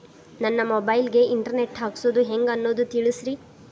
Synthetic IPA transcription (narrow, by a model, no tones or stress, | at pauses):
nɐnːɐmobɐjlɡe̞iɳʈɐɾne̞ʈɦaːksoːd̪uɦeŋɡɐnːoːd̪ut̪iɭisɾi